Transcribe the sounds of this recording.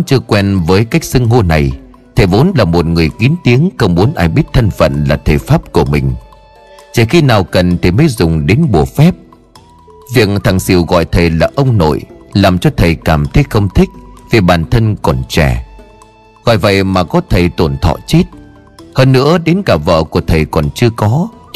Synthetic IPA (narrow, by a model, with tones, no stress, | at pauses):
t͡ɕɨ˧əkwɛ˧nvəː˨˦jka˦˥jk̚sɨ˧ŋɦo˧na˨˩j | t̪ʰe˨˩vo˨˦nlaː˨˩mo˨˩t̚ŋɨ˨˩əjki˨˦ənt̪i˨˦əŋxə˧wŋ͡mmu˨˦ənʔaː˧˩jɓi˦˥ət̚t̪ʰə˧nfə̰˧˨nlaː˨˩t̪ʰə˨˩faː˦˥p̚ku˧˩əmï˨˩ŋ̟ | t͡ɕi˧˩xi˧naː˨˩wkə˨˩nt̪ʰi˨˩məː˨˦jzʊ˨˩ŋ͡mɗe˨˦nɓu˨˧˩əfɛ˦˥p̚ | vi˨˩ək̚ŋt̪ʰa˨˩ŋsḭ˧˨wɣɔ̰˧˨jt̪ʰə˨˩jlaː˨˩ʔə˧wŋ͡mno̰˧˨jlaː˨˩mt͡ɕɔ˧t̪ʰə˨˩jkaː˧˩mt̪ʰə˨˦jxə˧wŋ͡mt̪ʰï˦˥k̟̚ve˨˩ɓaː˨˩nt̪ʰə˧nkɔ˨˩nt͡ɕɛ˧˩ | ɣɔ̰˧˨jvə̰˧˨jmaː˨˩kɔ˨˦t̪ʰə˨˩jt̪o˧˩nt̪ʰɔ̰˧˨t͡ɕe˦˥t̚ | həː˧nːɨ̰˧˥əɗe˨˦nkaː˧˩və̰ː˧˨ku˧˩ət̪ʰə˨˩jkɔ˨˩nt͡ɕɨ˧əkɔ˨˦